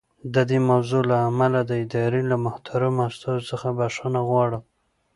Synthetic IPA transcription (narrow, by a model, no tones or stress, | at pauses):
d̪əd̪emawzolaːmalad̪əɪd̪ɑɾelamʊht̪ʰaɾamast̪ɑzosəxabaʂanaɣwɑɽəm